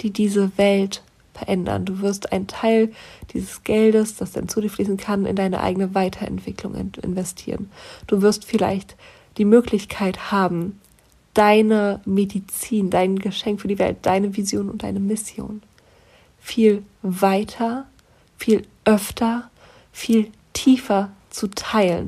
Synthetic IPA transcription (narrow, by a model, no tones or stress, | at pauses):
d̥iːdiːzəvɛlt | fɛɐʔɛndɐ̰nduːvɪɐstʔa̰ɪntʰaɪld̥iːzəsɡ̥ɛldəsd̥asd̥a̰nt͡suːdiɐfliːzn̩kʰanɪ̰ndaɪnə̰ʔa̰ɪɡənəvaɪtʰɐʔɛ̰ntv̥ɪklʊ̰ŋɛ̰ʔɪ̰nvɛstʰiːʁənd̥uːvɪɐstfɪla̰ɪçt | d̥iːmøːklɪçkʰaɪthaːbm̩ | d̥aɪnəmedit͡siːndaɪnɡəʃɛŋkfyːɐdiːvɛ̰lt̚d̥aɪnəvizjoːnʊ̰nt̚d̥a̰ɪnəmɪsjo̰ːn | fiːlvaɪtʰɐ | fiːlʔœftʰɐ | fiːl | tʰiːfɐt͡sutʰaɪlə̰n